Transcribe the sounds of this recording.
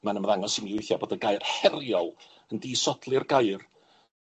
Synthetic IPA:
manəmðaŋɔsimiʊθjaboːdəɡajr̥hɛrjɔlˠ | əndiːsɔdʰlˠɪrɡajr

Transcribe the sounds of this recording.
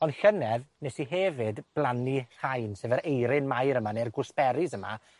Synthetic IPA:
ɔnɬənɛðnɛsiɦɛvɨdb̥lˠanir̥hajnsevɛɾejɾɪnmajɾəmanerɡʊsb̥ɛɾizəma̰

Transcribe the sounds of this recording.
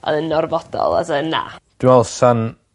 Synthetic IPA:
ɔ̰ðənːɔrvɔd̥ɔ̰lˠa̰zəna̰d̥ɪmɛlˠsan

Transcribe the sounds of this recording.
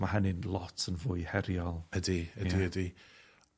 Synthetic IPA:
maɦənɪnlˠɔtʰənvʊɨhɛɾjɔlˠədiədiədi

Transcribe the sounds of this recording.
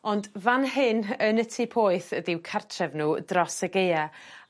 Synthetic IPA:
ɔndvanɦɪnənətʰipʰoːɨθədɪwkʰartʰrɛvnuːdrɔsəɡeja

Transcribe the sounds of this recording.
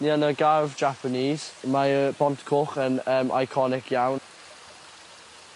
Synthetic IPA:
niːanəɡavd͡ʒapʰəniːz̥maəb̥ɔntkʰʊχənəːmʔa̰jkʰɔnɪkʰjawn

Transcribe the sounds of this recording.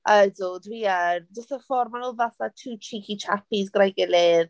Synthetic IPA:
ʔədɔdriərd͡ʒəstəfɔrmanɔlˠðaθatʰuːt͡ʃʰikʰit͡ʃʰapʰizɡrajɡɪlɪð

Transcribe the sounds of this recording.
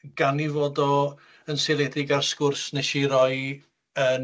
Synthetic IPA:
ɡ̥anivoːdɔ | ənselˠɛdɪɡarskʊrsnɛʃiɾɔɨ | ən

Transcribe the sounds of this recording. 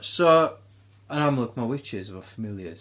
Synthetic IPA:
so | ənamlˠʊkʰmawɪt͡ʃɪzəvəfəmɪlˠjə̰z̥

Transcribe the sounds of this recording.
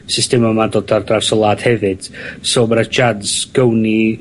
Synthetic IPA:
sɪstɛmamadodardrarsɔlˠaːd̥hɛvɨd̥soːmaɾad͡ʒadz̥ɡ̥əwni

